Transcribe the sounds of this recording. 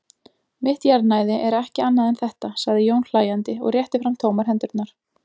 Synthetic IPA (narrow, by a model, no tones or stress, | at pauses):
mɪht̪jaɾt̪naːjðɪʔɛɾɛhcɪanːaðɛnθɛht̪asaɣðɪjownll̥aːjant̪ɪɔ̰ɣrjɛht̪ɪfɾamt̪ʰoːwmaɾ̥ɦɛnt̪ʏɾt̪naɾ̥